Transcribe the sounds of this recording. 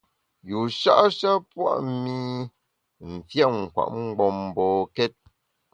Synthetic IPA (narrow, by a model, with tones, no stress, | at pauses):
ju˨ʃa̰˦ʔʃa˦pwa̰˦ʔmi˦ | m̩˨fja˦˨ŋ̩˨kwa̰˨ʔŋ͡m̩˦ɡ͡bɔ˦mbɔ˨kɛ˦t̚